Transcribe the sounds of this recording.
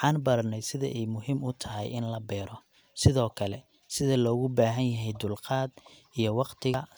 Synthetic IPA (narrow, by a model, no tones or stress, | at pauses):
ħɑːnbɐɾɐnɛjsɪðɐ̰ʔɛjmʊɦiːmʊt̪ʰɐɦɛ̰jɪnlɐbɛːɾɔ | sɪðɔːkʰɐlɛ | sɪðɐlɔːɣʊbaːɦɐnjɐɦɛjd̪ʊlqɑːd̪ʔijɔwɑqt̪ʰɪɣɐ